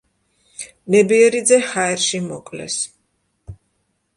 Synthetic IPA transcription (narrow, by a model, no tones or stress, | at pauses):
nɛbiɛɾid̪zɛhaɛɾʃimɔkʼlɛ̰s